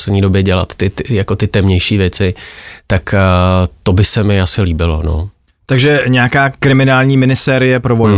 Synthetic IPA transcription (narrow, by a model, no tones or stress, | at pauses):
slɛdɲiːdo̞bjɛɟɛla̰t̪ːɪjako̞t̪ɪt̪ɛmɲɛjʃiːvjɛt͡sɪt̪ak | t̪o̞bɪsɛmɪasɪliːbɪlo̞̰no̞̰ | t̪aɡʒɛɲɛakaːkɾɪmɪnaːlɲiːmɪnɪst̪ɛːɾɪjɛpɾovo